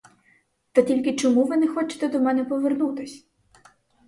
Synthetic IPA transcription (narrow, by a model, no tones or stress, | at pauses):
t̪ɐtʲilʲkɪt͡ʃɔmuʋɪnɛxɔt͡ʃɪ̥t̪ɛd̪ɔmɛnɛpɔʋernut̪ɪsʲ